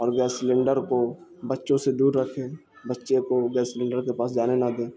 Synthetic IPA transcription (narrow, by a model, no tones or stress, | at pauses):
ɔːɾɡɛːsːlẽːɳɖəɾkobətːʃõsed̪uːɾːəkʰẽː | bətːʃekoɡɛːslɛ̃ːɳɖəɾkepaːsd͡ʒaːnenad̪ẽː